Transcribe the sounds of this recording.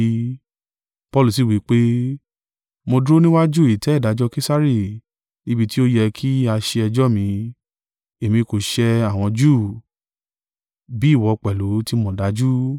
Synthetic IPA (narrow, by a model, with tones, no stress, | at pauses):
pɔ˧lu˨s̬i˦˨wi˨˦k͡pe˦ | mõ˧dɾo˦nĩ˦wa˦d͡ʒu˦˨i˨tɛ˨˦i˦˨da˨˦d͡ʒɔ˦˧ke˦sa˦ɾi˦˨ | ni˧bi˧ti˦o˦jɛ˧kʰi˦a˧ʃe˧ɛ˧d͡ʒɔ˦mĩ˧ | e˨mĩ˧ko˨ʃɛ˧a˦˨w̃ɔ̃˧d͡ʒu˦˨ | bi˨˦i˦˨wɔ˧k͡pɛ˨lu˨˦ti˦mɔ̃˦˧˨da˨˦d͡ʒu˦